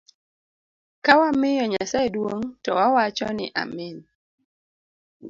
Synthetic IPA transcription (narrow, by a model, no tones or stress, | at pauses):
kawamɪjɔɲasaedwoŋtɔwawat͡ʃɔnɪʔa̰mɪn